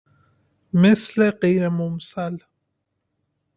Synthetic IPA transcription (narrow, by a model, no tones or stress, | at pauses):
mɪsleqiːɾemʊmsal